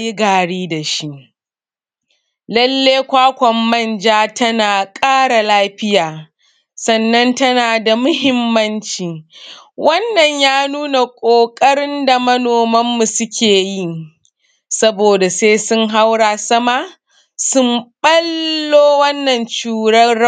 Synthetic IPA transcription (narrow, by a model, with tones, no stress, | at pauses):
ji˦ɡaː˨ɽiː˦da˨ʃi˦ʔ | lɐ˦lːeː˦kʷaː˦kʷɔ˨mːɐ˦˨nd͡ʒaː˦tʰɐ˦naː˨kʼaː˦ɽa˨laː˦ɸɪ˦jaː˨ | sɐ˨nːɐ˦ntɐ˦naː˨da˨mʊ˦hɪ˦mːɐ˦nt͡ʃiː˨wɐ˦nːɐ˨ɲjaː˦nuː˦na˨kʷʼoː˨kʼɐ˦ɽɪ˦nda˨mɐ˦noː˨mɐ˦mːu˨sʊ˦kʲeː˨ji˦ | sɐ˦boː˨da˨seː˦sʊ˦ŋɦa˦wɽaː˨sɐ˦maː˦ | sʊ˦mɓɐ˦lːoː˦wɐ˦nːɐ˨nt͡ʃuː˨ɽɐ˦